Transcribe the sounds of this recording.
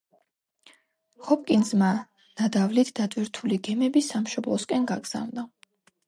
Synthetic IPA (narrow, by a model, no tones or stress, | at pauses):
χɔp̚ʼkʼinzma | nad̪avlit̪ʰd̪at̪ʼvwiɾt̪ʰuliɡɛmɛbisamʃɔblˠɔskʼɛnɡaɡz̥a̰vnd̪a